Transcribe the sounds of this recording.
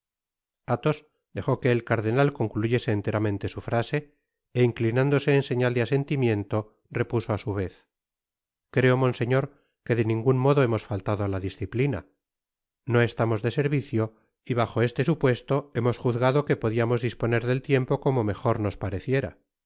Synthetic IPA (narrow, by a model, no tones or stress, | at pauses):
at̪o̞s | d̪e̞xo̞ke̞ːlkaɾðe̞nalko̞ŋkluʝe̞se̞ːnt̪e̞ɾamẽ̞nt̪e̞sufɾase̞ | eiŋklinãnd̪o̞se̞ːnse̞ɲald̪ease̞nt̪imje̞nt̪o̞ | re̞puso̞asuβ̞e̞θ | kɾe̞o̞mõ̞nse̞ɲo̞ɾ | ke̞ðe̞nĩŋɡunmo̞ðo̞emo̞sfalt̪aðoalaðisθiplina̰ | no̞e̞st̪amo̞zðe̞se̞ɾβiθjo̞ | iβaxo̞e̞st̪e̞supwe̞st̪o̞e̞mo̞sxuθɣaðo̞kepo̞ðiamo̞zðispo̞ne̞ɾðe̞lt̪je̞mpo̞komo̞me̞xo̞ɾno̞spaɾe̞θje̞ɾa̰